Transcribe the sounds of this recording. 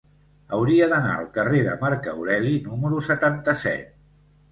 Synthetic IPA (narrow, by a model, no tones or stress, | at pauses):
əwɾiəðəna̰ə̰lˠkəreðə̰maɾkəuɾɛlinuməɾusət̪ant̪əsɛ̰t̪̚